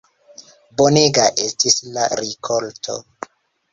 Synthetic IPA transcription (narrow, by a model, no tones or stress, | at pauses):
bo̞neɡaʔestislaɾikʰoltʰo̞̰